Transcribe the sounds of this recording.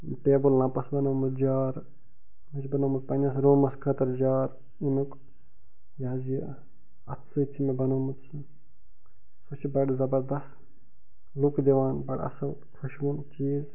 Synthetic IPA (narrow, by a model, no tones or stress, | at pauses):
ʈeːbɨlːãːpɐsbɐnɐwmɨt̪d͡ʒaːɾ | mɨt͡ʃʰbɐnɐmɨt̪pɐnʲɐs̬ɾoːmɐskʰɐt̪ɐɾd͡ʒaːɾ | inuk | jaːzjɐ | ɐt̪ʰsɨt͡ʃʰimebɐnomut̪sɨ | sut͡ʃʰibɐɽzɐbɐɾd̪ɐst̪ | lukd̪eʋaːnbɐɽɐ̰sɐw | kʰɐʃʋunt͡ʃiːz